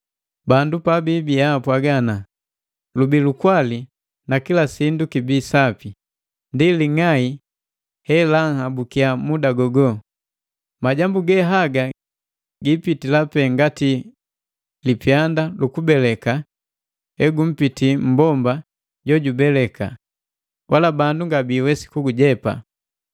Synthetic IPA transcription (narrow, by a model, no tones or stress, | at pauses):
bandupabibiapwaɡana | lubilukwali | nakilasindukibisapi | ndiliŋai | hɛlaŋhabukiamudaɡɔɡɔ | maɟambuɡɛɦaɡa | ɡipitilapɛŋɡati | lipjandalukubɛlɛka | ɛɡum̩pitim̩bɔmba | ɟɔɟubɛlɛka̰ | wʔalabanduŋɡabiːwɛsi̥kuɡuɟɛpa̰